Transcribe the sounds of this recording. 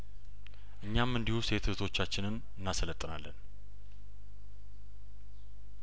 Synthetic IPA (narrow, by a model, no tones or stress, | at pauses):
ʔɨɲːamɨnd̪ihuse̞t̪ʰt̪ʰo̞t͡ʃːat͡ʃːɪnɨn | ɨnːasələt̪ʼːɨna̰lːə̰n